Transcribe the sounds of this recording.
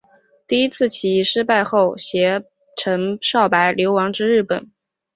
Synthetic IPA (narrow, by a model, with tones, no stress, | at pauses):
t̪i˥˩i˥t͡sʰɹ̩˥˩t͡ɕʰi˧˥˧ʂɻ̩˥pa˥˧ɪxo˥˩ʊɕjɛ˧˥ | ʈ͡ʂʰə˧˥ŋʂɑ˥˩ʊpa˧˥ɪljo˧˥ʊwɑ˧˥ŋʈ͡ʂɻ̩˥ɻɻ̩˥˩pə̰˨˩˦n